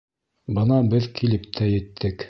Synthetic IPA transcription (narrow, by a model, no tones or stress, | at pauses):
bɤnɑbɘðkʰilɘp̚t̪ʰæjɘ̆t̪ʰːɘk